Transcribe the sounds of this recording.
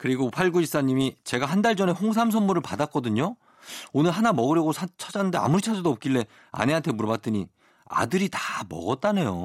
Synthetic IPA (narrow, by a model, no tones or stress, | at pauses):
kɯɾiɡopʰaɭɡuis͈aɲimit͡ɕe̞ɡaɦandaɭd͡ʑʌne̞ɸoŋsʰams̬ʰʌmmuɾɯɭpadak͈̚ʌdɯɲo | onɯɭɦanamʌɡɯɾjʌɡosʰat͡ɕʰad͡ʑanɯndea̰muɾit͡ɕʰasʌdoʌp̚k͈iɭːe̞ | a̰ne̞antʰe̞muɾʌbat͈ɯɲi | a̰dɯɾitamʌ̰ɡʌt̚t͈anejo